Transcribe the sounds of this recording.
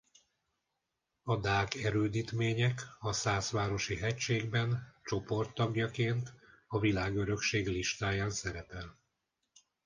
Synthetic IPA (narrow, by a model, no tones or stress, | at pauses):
ɒd̪aːkɛɾøːd̪iːt̪meːɲɛkɒsaːsʋaːɾo̞ʃiɦɛcʃeːɡbɛnt͡ʃo̞po̞rt̪ːɒɡjɒkeːnt̪ɒvilaːɡø̞ɾø̞kʃeːɡliʃt̪aːjaːnsɛɾɛpɛl